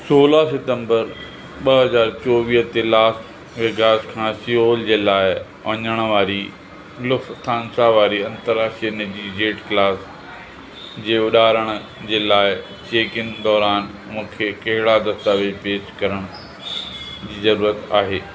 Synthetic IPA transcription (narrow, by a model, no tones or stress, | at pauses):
soːlasɪʈə̃mbəɾ | ɓɐɦɐzaːɾt͡ɕɔːʋiːɦt̪elaːs | ʋɪɡaːskʰãːsioːld͡ʑeːlaːɪ | ɐɲəɽ̃ʊ̆ʋaːɾi | lʊfst̪ʰaːnsaʋaːɾiɐ̃nt̪əɾaːʃiənɪd͡ʑiːd͡ʑeːʈklaːs | d͡ʑeːʊɗaːɾəɽ̃ʊ̆ | d͡ʑeːlaːɪ | t͡ɕeːkɪnd̪ɔːɾaːn | mũːkʰekɐɦɪɽad̪ɐst̪aʋepeːʃkɐɾəɽ̃ʊ | d͡ʑiːzɐɾuːɾət̪aːɦeː